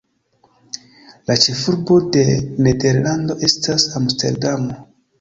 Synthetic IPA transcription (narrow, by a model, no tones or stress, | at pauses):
lat͡ʃe̞fuɾbo̞de̞nede̞ɾlando̞ʔe̞stasamste̞̰ɾdamo